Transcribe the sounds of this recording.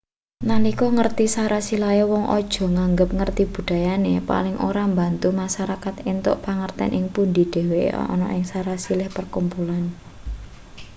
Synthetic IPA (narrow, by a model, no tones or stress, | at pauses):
nanikɔŋərt̪isaɾasilajɔwɔŋʔɔ̰d̥ʒ̥ɔ̤ŋaŋɡəp̚ŋərt̪ib̥ṳd̪̥a̤janepa̰lɪŋʔo̰ɾambant̪umaʃaɾakat̪ɪnt̪ʊ̰ʔpaŋərt̪ɛ̰nʔɪŋpund̪i̤d̥e̤wḛɔ̰nɔ̰ʔɪŋsaɾasilɪhpərkumpulan